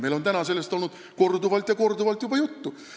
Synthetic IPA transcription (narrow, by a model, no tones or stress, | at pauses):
me̞jlo̞nt̪ænɑse̞lːest̪o̞lnud̪̥ | ko̞rd̪uvɑlt̪jɑko̞rd̪uvɑlt̪jub̥ɑjut̪ːu